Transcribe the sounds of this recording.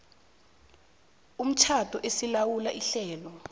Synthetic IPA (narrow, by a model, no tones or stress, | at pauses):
um̩t͡ʃʰatɔʔesilawulaʔiɬɛːlɔ